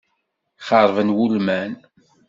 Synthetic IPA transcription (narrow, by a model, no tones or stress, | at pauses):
χɑɾˤvənwulmæn